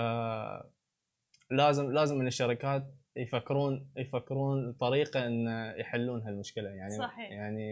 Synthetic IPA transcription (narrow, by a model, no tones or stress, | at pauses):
laːzɪmlaːzɪmːɪnɪʃːɑɾɪkaːt̪ | jfakːɪɾuːnjfakːɪɾuːnt̪ˤːɑɾiːqaʔɪnːajħɪlːuːnɦalmʊʃkɪlajaʕnijaʕni